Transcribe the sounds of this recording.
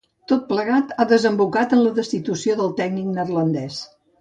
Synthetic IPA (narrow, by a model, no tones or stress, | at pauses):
t̪ot̪̚pləɣat̪aðəzəmbukat̪ənləðəst̪it̪usioðəlˠt̪ɛɡniknərlənd̪ɛs